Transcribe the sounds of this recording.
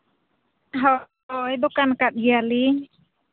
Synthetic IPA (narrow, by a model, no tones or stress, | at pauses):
ɦɔ | jbɔkankat̪̚ɡiali